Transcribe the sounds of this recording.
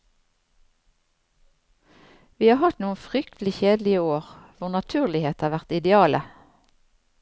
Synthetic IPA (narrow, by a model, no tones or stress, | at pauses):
ʋiːhɑːhɑt̪nuːənfʁʏkt̪lɪçeːd̪l̩ɪəoːʁʋʊʁnɑt̪ʰʉːʁlɪheːt̪ɑːʁʋæʁt̪ɪd̪ɛɑːlʔə